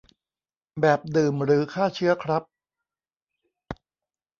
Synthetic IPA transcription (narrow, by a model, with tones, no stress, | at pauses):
bɛː˨˩p̚dɯː˨˩mɾɯː˩˦kʰaː˥˩t͡ɕʰɯ˦˥ɐkʰɾa˦˥p̚